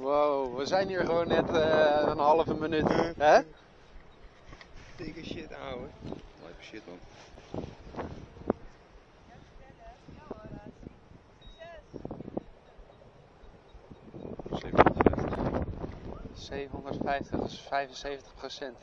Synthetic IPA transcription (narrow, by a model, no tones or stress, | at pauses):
wowʋəzɛjniːɹχəʋoːnːɛtəənɦɑləvəmənytɦɛ | tɪkəʃɪtawəlɛ̰jkəʃɪtman | sevfɛt | sejvəɦondərtfɛjftəχfɛjvənsejvəntə̥χprosɛnt